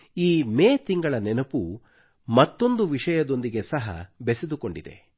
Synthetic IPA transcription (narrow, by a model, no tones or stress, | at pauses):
iːmeːt̪iŋɡɐɭɐnɛnɐpu | mɐt̪ːo̞nd̪uʋiʂɐjɐd̪o̞nd̪iɡe̞sɐɦɐ̰besed̪uko̞ɳɖid̪e̞̰